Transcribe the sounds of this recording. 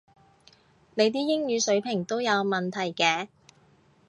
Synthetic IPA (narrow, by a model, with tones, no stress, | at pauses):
ne˨˧jt̪̬iː˥jɪ˥ŋjyː˨˧sɵ˨˥ɥpʰɪ˨˩ŋt̪o˥wjɐ˨˧wmɐ˨nt̪ʰɐ˨˩jkɛː˨˧